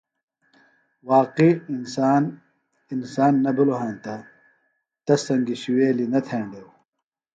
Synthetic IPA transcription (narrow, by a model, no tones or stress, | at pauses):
waːqinsaːn | insaːnːɐbuloɦãːnt̪ɐ | t̪ɐsɐŋɡiɕiweːlinɐt̪ʰeːɳɖeːw